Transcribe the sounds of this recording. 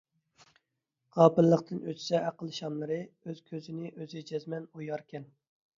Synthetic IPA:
ʁ̥ɑːpɨllːˠəqt̪ʰɨnøt͡ʃsɛʔæqəlˠʃɑmlˠɨɾɨøz̥kʲʰøzɪnɪʔøzɪd͡ʒɛzmɛnojɑɾkʲʰɛn

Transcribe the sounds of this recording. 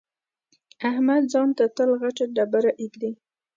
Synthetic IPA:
ahmad̪zɑnt̪at̪əlɣaʈaɖabaɾaʔikli

